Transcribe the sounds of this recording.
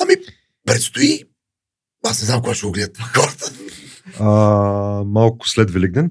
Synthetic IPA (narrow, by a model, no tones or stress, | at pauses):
ami | pɾɛt̪st̪ʊi | asnɛznamkʊɡaʃɛɡʊɡlɛd̪t̪xɔɾət̪ə̥ | a | malˠkʊ̥slɛd̪vɛlʲiɡ̚d̪ɛn